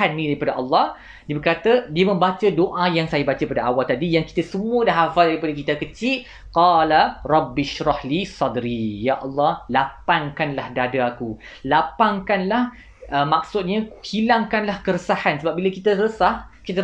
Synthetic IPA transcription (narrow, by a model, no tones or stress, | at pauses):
anːĩdaɾipadaʔɑlːɑh | diəbərkat̪adiamə̃mbat͡ʃadoʔajaŋsajabat͡ʃapadaawalt̪adijaŋki̥t̪asəmũədaɦafaldaɾipadakit̪akət͡ʃiʔ | qɑlarˤɑbːɪʃɾɑhlisɑdɾijaʔɑlːɑhlapaŋkanlahdadaaku | lapaŋkanlah | əmak̚sʊt̪̚ɲahilaŋkanlahkəɾəsahansəbap̚bilakit̪asəəsahkit̪a